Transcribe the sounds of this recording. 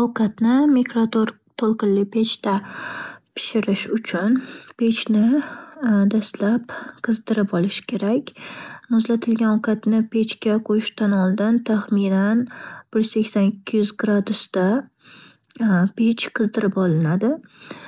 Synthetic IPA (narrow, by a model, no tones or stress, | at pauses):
ɒwqʰat̪nɪmekɾat̪oɾ | t̪ʰolˠqɨnlɪpʰe̞t͡ʃt̪a | pʰɪ̥ʃɪɾɪʃʊt͡ʃʰʊnpʰe̞t͡ʃnɪ | d̪ast̪lapqʰɨzd̪ɪɾɪpɒlɪʃɪ̥kʲʰe̞ɾakʲmʊzlat̪ʰɪlɡʲanɒwkʰat̪nɪpʰe̞t͡ʃkʲaqʰojɪʃt̪anɒlˠd̪ɪnt̪ʰaχmɪnanb̥ɪɾekʲsanɪkʲʰːɪjʏzɡɾad̪ʊst̪a | pet͡ʃqʰɨzd̪ɪɾɪpɒlɪnad̪ɪ